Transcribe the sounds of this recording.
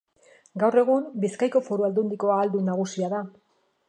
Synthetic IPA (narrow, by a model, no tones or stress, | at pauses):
ɡawre̞ɣ̞umbiskajko̞fo̞ɾuald̪und̪iko̞aːld̪unaɣ̞usiaða